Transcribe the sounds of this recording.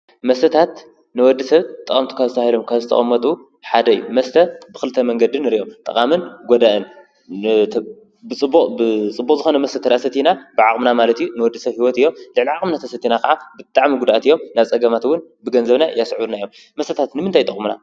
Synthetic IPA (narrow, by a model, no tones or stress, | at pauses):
mɐst̪ʰɐt̪ʰat̪ | nɨwɔd̪ːisɐβt̪ʼɐχʼɐmt̪ʰu̥kʰazɨt̪ʰahilomkʰazɨt̪ʰɐ̰χʼɐmːɐt̪ʼu | ħad̪ɐɨjːumɐst̪ʰɐbɨxkɨlt̪ʰɐmɐŋɡɐd̪ɨnɨɾiʔomt̪ʼɐ̰qʼamɨnɡɔd̪aʔɨnʰ | bɨt͡sʼɨbbɨt͡sʼɨbːukʼzɨxonɐmɐst̪ɐt̪ʰɐɾasɐt̪ʰinabɨʕaχʼmnamalɐt̪ijunɨwɔd̪ːisɐβhiwɔt̪ɨjːo̞mlɨʕliʕakʼmnat̪ʰɐsɐt̪ʰːinakʰɐʕabɨt̪ʼaʕmiɡud̪ʔat̪ɨjːo̞mnaβt͡sʼɐɡɐmat̪wʊnbɨɡɐnzɐβnajasʕunajom | mɐst̪ʰɐt̪ʰat̪nɨmɨnt̪ʰajt̪ʼɐχʼmuna̰